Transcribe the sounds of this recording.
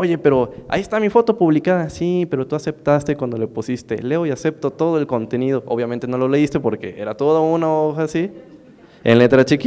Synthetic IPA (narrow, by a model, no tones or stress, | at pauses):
oʝe̞pe̞ɾo̞a̰iest̪amifo̞t̪o̞puβlikaðasipe̞ɾo̞t̪uase̞pt̪ast̪e̞kwand̪o̞le̞pusist̪e̞̰le̞o̞iase̞p̚t̪o̞t̪o̞ðoelko̞nt̪e̞nið̞o̞ʔoβjament̪e̞no̞lo̞le̞ist̪e̞po̞ɾke̞e̞ɾat̪o̞ðounaoxasi | ḛnle̞t̪ɾat͡ʃiki